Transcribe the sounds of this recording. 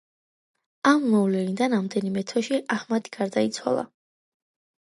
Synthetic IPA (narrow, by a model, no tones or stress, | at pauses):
amːɔvlɛnid̪anamd̪ɛnimɛt̪ʰɛʃiʔahmat̪ʰi̥ɡ̥aɾd̪ait̪sʰwa̰lˠa̰